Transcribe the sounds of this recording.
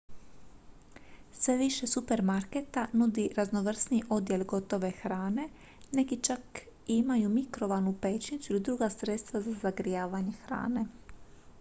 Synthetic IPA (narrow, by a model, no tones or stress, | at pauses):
sʋe̞ʋiʃesupe̞ɾmaɾket̪anud̪iɾaznoʋr̩sniʔo̞d̪je̞lɡo̞t̪o̞ʋe̞xɾaːne̞ | nekit͡ʃak | imajumikɾo̞ʋanupeːt͡ʃnit̪suilid̪ɾuɡasɾet̪st̪ʋazazaɡɾijaːʋaɲe̞xɾa̰ːne̞